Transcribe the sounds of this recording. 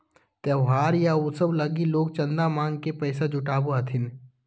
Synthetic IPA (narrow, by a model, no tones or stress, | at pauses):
t̪ɛɦaːɾjaosəblɐɡiloːɡt͡ʃɐ̃nd̪amãːŋɡkepɛːsad͡ʒʊʈaːboɐt̪ʰɪn